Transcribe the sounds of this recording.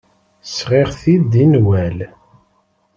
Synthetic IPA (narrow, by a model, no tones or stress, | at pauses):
sʁeʁθid̪inwæl